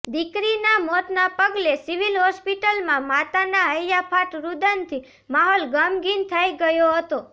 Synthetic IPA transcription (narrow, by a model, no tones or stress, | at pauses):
d̪ikɾinamɔt̪napəɡlesiʋilɦɔspiʈəlmãmat̪anaəjjapʰaʈɾud̪ənt̪ʰi | maɦɔlɡəmɡint̪ʰəjɡəjoɦət̪o